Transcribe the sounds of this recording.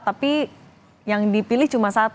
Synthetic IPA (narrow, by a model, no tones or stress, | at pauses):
t̪api | jaŋdipilɪht͡ʃumasat̪